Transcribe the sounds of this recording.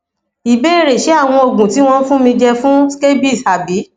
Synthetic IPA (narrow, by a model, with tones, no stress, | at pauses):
i˨be˦i˦ɾe˨ʃe˨˦a˦˨w̃ɔ̃˧o˨ɡũ˨ti˨˦w̃ɔ̃˦n̩˦fũ˦mĩ˧d͡ʒɛ˧fũ˦ske˦bi˦˨sa˨bi˨˦